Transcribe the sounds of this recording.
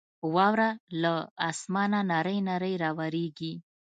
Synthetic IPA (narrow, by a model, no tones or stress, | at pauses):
wɑwɾalaːsmɑnanaɾəjnaɾəjɾɑwaɾeɡi